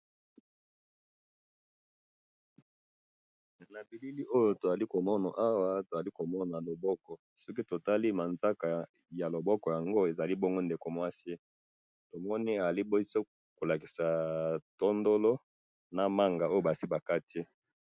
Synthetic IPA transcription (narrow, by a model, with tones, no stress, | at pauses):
na˨bi˨li˦li˦ʔo˦jo˨to˨za˨li˦ko˨mɔ˦na˨ʔa˦wa˦to˨a˨li˦ko˨mɔ˦na˨lo˨bɔ˦kɔ˨ | sɔ˦ki˦to˨ta˦li˦ma˨nza˦ka˨ | ja˨lo˨bɔ˦kɔ˨ja˨ŋɡo˦e˨za˨li˦bo˦ŋɡo˦nde˨ko˨mwa˦si˦ | to˨mɔ˦ni˦a˨a˨li˦bo˦so˦ | ko˨la˨ki̥˨sa˨to˦ndo˦lo˦ | na˨ma˦ŋɡa˨o˦jo˨ba˨si˦ba˨ka˦tʰi˦